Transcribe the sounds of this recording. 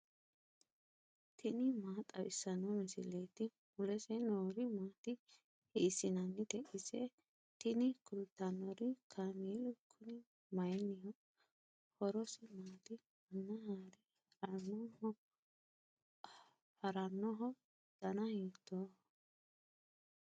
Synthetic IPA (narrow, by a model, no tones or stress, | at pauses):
t̪ʰɪnɪmaːt̪ʼɐwɪsːɐnɔmɪsɪ̰leːt̪ɪ | ʊlɛsɛnoːɾɪmaːt̪ɪ | hiːsɪnɐnːɪt̪ɛʔɪsɛ | t̪ɪnɪkʊlt̪ːɐnːɔɾɪkʰamiːlʊkʰːʊnɪ | mɐjnɪjɔ | hɔɾɔsɪmaːt̪ɪ | ɐnːɐhaːɾɪ | ɐnːɔ | hɐɾɐnːɔɦɔ | d̪̥ɐnɐhiːt̪ʰːɔ